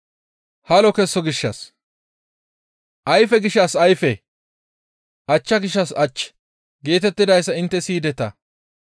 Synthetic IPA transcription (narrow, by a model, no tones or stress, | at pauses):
hɐlɔkɛsːɔɡɪʃːɐs | ʔɐjfɛɡɪʃːɐsɐjfɛ | ʔɐt͡ʃːɐɡɪʃːɐsɐt͡ʃːɛ̥ | ɡe̞ːt̪ɛt̪ːɪd̪ɐjsːɐɪnt̪ːɛsiːd̪ɛt̪ɐ